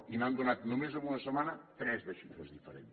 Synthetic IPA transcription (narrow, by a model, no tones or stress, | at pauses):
imand̪onat̪numezounɐsəmanɐt̪ɾɛzβeʃit̪ozðifəɾḛn